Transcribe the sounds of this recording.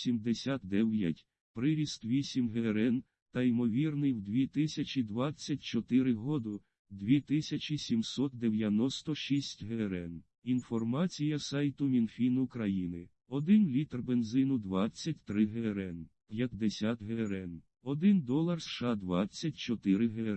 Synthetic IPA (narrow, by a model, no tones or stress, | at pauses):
sʲimd̪esʲat̪̚d̪ɛwjɐtʲ | pɾɪɾʲist̪ʋʲisʲimɦeɾɛn | t̪ɐimɔʋʲirnɪjwd̪ʲʋʲit̪ɪsʲɐt͡ʃʲid̪ʋɑt͡sʲːɐtʲt͡ʃɔt̪ɪɾɪɦɔd̪ʊ | d̪ʲʋʲit̪ɪsʲɐt͡ʃʲisʲimsɔt̪̚d̪eʋjɐnɔst̪ɔʃisʲtʲɦeɾɛn | infɔrmɑt͡sʲijɐsɑjt̪ʊmʲinfʲinʊkɾɐjinɪ | ɔd̪ɪnlʲit̪rbenzɪnʊd̪ʋɑt͡sʲːɐt̚ʲt̪ɾɪɦeɾɛnpʲjɐt̪̚ːesʲat̪ɦeɾɛn | ɔd̪ɪnd̪ɔlˠɐrsʃɑd̪ʋɑt͡sʲːɐtʲt͡ʃɔt̪ɪɾɪɦe